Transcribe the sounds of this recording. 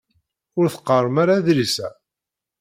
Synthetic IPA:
ʊɾθə̥qːərˤːəmaɾaðɾisæ

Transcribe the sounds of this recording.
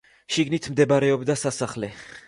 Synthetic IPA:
ʃiɡnit̪ʰmd̪ɛbaɾɛɔbd̪asasaχlɛ

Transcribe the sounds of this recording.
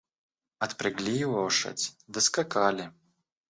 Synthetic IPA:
ɐt̪pɾɨɡlʲijvɔʂɐ̰t͡sʲd̪ɐskakalʲɪ

